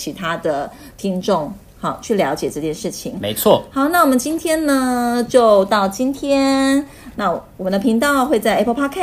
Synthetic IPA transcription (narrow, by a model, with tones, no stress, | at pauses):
t͡ɕʰi˧˥t̪ʰa˥d̪ə˨ | t̪ʰi˥ŋʈ͡ʂʊ˥˩ŋ | xɑ˥˩t͡ɕʰy˥˩ljɑ˧˥ʊt͡ɕjɛ˨˩ʈ͡ʂɤ˥˧t͡ɕjɛ˥˧nʂɻ̩˥˩t͡ɕʰi˨˩ŋme˧˦ɪt͡sʰwɔ˥˨xɑ˧˥ʊna˥˩wɔ˨˩mə˦nt͡ɕi˥nt̪ʰjɛ˥nnə˧t͡ɕjo˥˧ʊt̪ɑ˥˩ʊt͡ɕi˥nt̪ʰjɛ˥n | na˥˩wɔ˨mə˦nd̪ə˧pʰi˧˥ŋt̪̬ɑ˥˧ʊxwe˥˧ɪt͡sa˥ɪʔe˥˩pʰə˧˥pʰa˥kʰa˥